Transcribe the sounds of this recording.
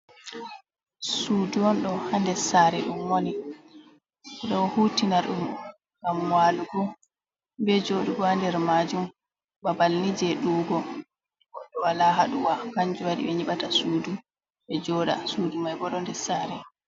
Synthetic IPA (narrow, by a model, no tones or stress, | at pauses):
suduwɔnɗɔhandɛsaɾɛɗumwoni | ɔɗɔwɔhuːtinaɾɗum | ŋɡamwaːluɡɔ | bɛd͡ʒoɗuɡɔandɛɾmad͡ʒum | babalnid͡ʒɛɗuːɡɔ | wɔɗːɔwalaɦaɗuwakaɲd͡ʒuwaɗḭɓɛɲiɓatasuːdu | ɓɛd͡ʒɔːɗa̰suːdumajɡɔɗɔndɛsaɾɛ